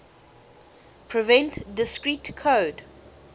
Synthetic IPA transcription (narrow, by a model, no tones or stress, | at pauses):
pʰɹivɛ̃ntdɪskɹitkʰoːd